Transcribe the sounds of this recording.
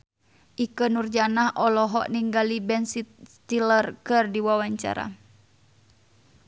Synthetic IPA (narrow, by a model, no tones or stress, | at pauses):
ʔikənurd͡ʒanahʔɔlɔɦɔ̰ʔniŋɡalibɛnsit̪̚t̪ilərkɨrdiwawaɲt͡ʃa̰ɾa̰